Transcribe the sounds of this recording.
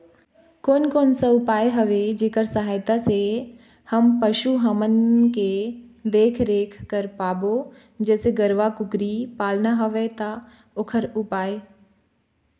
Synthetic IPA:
koːnkoːnsaʊpaːeɦɐʋed͡ʒeːkəɾsɐɦaːjt̪ase | hɐmpɐʃuɦɐmənked̪eːkʰɾeːkʰkəɾpaːbo | d͡ʒɛːseɡəɾʋakʊkɾipaːlnaɦoʋet̪a | oːkʰəɾʊpaːe

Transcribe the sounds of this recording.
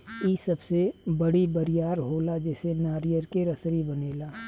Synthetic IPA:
iːsɐbsebəɽibəɾɪjaːɾɦoːlad͡ʒɛːsenaːɾijəɾkeɾɐsɾibɐneːlaː

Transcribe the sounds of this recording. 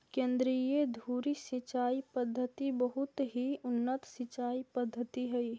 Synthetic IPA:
kẽːnd̪ɾijed̪ʱuːɾisɪt͡ʃaːipəd̪ʱːət̪ibəɦʊt̪ɦiʊnːət̪sɪt͡ʃaːipəd̪ʱːət̪iɦɛi

